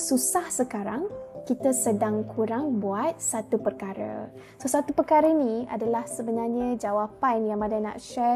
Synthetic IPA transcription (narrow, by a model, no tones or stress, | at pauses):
susahsəkaɾaŋkit̪əsədaŋkʰuɾaŋbuat̪̚sat̪upərkaɾə̰ | sosat̪upərkaɾəinĩa̰dalahsəbənarɲãd͡ʒawapanjaŋbadajnã̰ʔʃɛ